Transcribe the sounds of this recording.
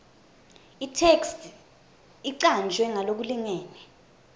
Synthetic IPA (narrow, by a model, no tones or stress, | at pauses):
itʰekstʰ | iǀand͡ʒʱwɛŋalok̬uliŋɛːnɛ